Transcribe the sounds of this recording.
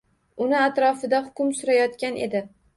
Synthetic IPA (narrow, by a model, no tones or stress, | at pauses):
ʊnɪat̪ɾɒfɪd̪ahʊkʲʊmsʊɾajɒt̪kʲanʔe̞̰d̪ɪ